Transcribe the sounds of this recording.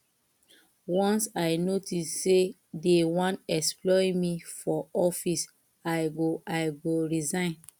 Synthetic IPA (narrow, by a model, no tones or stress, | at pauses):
wɔ̃nsaɪnotisːe | dewɔ̃ntɛsplɔĩmifɔɔfis | aɪɡoʔaɪɡoɹizãɪ̃n